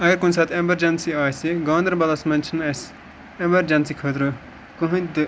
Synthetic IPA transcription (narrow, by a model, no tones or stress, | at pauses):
ɐɡɐɾkunsɐːt̪ʰemɐɾd͡ʒɐnsiaːsiɡõːnd̪ɾbɐlɐsmɐnʲt͡ʃʰinɐs | emɐɾd͡ʒɐnsikʰɐd̪ɾu | kuɦũd̪ɨ